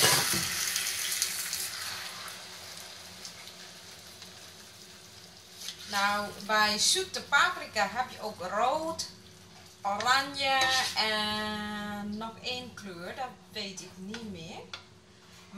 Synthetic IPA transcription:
nawbɛjsyp̚təpaːfrikaɦɛpjəʔoːkroːt | oranjəɛ | ɔxeːnkløːrdɔtʋeːtɪknimɪːr

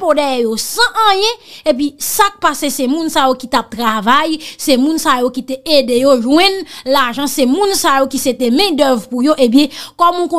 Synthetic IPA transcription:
podɛɛjosãʔə̃jɛ̃ep̬ɥisak̚pasesɛmũnsajokit̪ap̚t̪ʁavajsemũnsajokit̪eedejoʒwɛ̃nlaʒãsɛmũnsajokiset̪emɛ̃d̪œvpujoʔebjɛ̃kɔmũkõ

